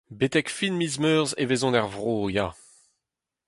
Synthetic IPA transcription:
bet̪ɛkfinmizmœːʁzevezɔ̃nɛʁvʁoːja

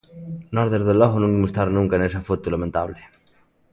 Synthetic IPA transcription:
nɔɾðeɾðelɔɣonũŋimust̪aɾnũŋkanesafot̪ulamẽnt̪aβle

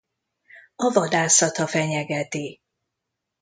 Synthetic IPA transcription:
ɒvɒd̪aːsɒt̪ɒfɛɲɛɡɛt̪i

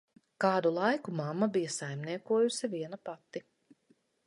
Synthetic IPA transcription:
kaːd̪ulˠajkumamːabijɐsajmniɛkuɔjusiviɛnapat̪ːi

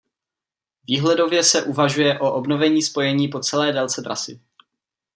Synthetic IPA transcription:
viːɦlɛdo̞vjɛsɛʔuvaʒujɛʔo̞ʔobno̞vɛɲiːspo̞jɛɲiːpo̞t͡sɛlɛːdɛlt͡sɛd̪ɾa̰sɪ̰

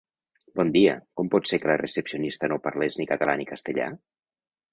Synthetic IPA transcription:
bɔnd̪iə̰kɔmpɔt̪sekələrəsəpsionist̪ənopaɾleznikət̪əlanikəst̪əʎa̰

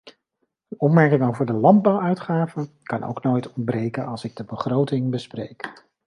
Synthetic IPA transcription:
ənɔpmɛɹkɪŋowvəɹdəlɑnd̚bɑwœɥtχaːvən | kɑnʔo̰wknojtɔn̚brejkənɑlˠsɪɡ̚dəbəχrowtɪŋbəsprḛjk

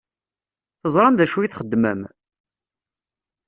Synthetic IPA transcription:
θəzˤɾˤɑmðæʃujiθχəd̪ːmə̰m

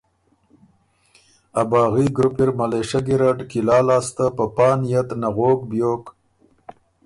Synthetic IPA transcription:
abɑːɣiɡɾʊpiɾmaleʃaɡiɾaɖkilɑːlɑːst̪apəpɑːnjat̪naɣoːkbjoːk

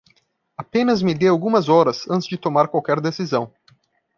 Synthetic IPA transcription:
apẽnɐzmɪd̪eawɡũmɐzɔɾɐzɐ̃nt̪ɪzd͡ʒɪt̪omaɾkwawkɛɾd̪esizɐ̃w̃

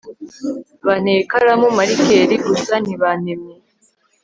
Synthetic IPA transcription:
βaneːkaɾamumaɾikeɾiɡusaniβaneme

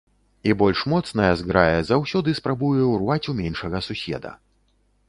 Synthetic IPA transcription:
ibɔlʲʂmɔt̪snɐjɛzɡɾajɛzawsʲɔd̪ɨspɾabujɛwrvat͡sʲumʲɛnʂɐɣɐsusʲɛ̰d̪ɐ̰

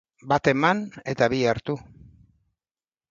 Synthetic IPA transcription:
bat̪e̞mane̞t̪aβiaɾt̪u

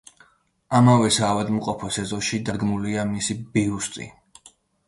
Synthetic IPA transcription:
amavɛsaːvad̪mqʼɔpʰɔsɛzɔʃid̪ad̪ɡmuliamisibiust̪t̪ʼḭ

